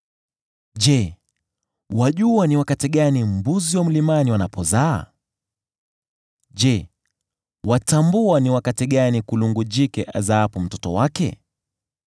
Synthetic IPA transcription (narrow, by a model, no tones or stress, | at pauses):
ʄɛ | waʄuaniwakatiɠanim̩buziwam̩limaniwanapɔzaː | ʄɛ | watambuaniwakatiɠanikuluŋɡud͡ʒikɛ̰ʔa̰zaapum̩tɔtɔ̰wakɛ̰